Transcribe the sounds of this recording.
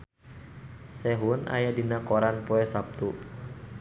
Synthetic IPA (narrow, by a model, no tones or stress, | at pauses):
sɛɦuna̰jadinakoɾanpoɛsap̚t̪u